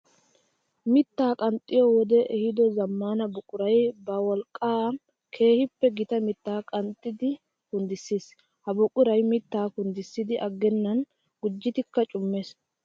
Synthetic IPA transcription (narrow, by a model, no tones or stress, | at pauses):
mɪt̪ːaːkʼɐnt̪ʼːɪjɔwɔd̪ɛʔɛhɪd̪ɔzɐmːaːnɐbʊkʼːʊɾɐjbɐwɔlkʼːaː | kʰe̞ːhɪpːɛɡɪt̪ɐmɪt̪ːaːkʼɐnt̪ʼːɪd̪ɪ | kʊnd̪ɪsːiːs | hɐbʊkʼːʊɾɐjmɪt̪ːaːkʊnd̪ɪsːɪd̪ɪʔɐɡːɛnːɐn | ɡ̥ʊd͡ʒːɪt̪ɪkːɐt͡ʃʼʊmːeːs